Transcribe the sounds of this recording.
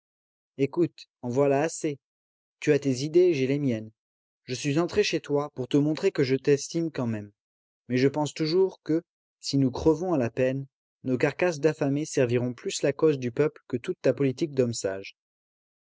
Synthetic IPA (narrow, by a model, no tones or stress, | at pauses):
ekut̪ɑ̃vwalaːse | t̪yat̪ezid̪eʒɛlemjɛn | ʒəsɥizɑ̃t̪χeʃet̪wapuʁt̪əmɔ̃t̪χekəʒət̪ɛst̪imkɑ̃mɛmː | ɛʒəpɑ̃st̪uʒuʁkə | sinukχəvɔ̃alapɛn | nokaʁkas̬d̪afamesɛʁviʁɔ̃plyslakozd̪ypœplkət̪ut̪ːapɔlit̪ik̚d̪ɔmsaʒ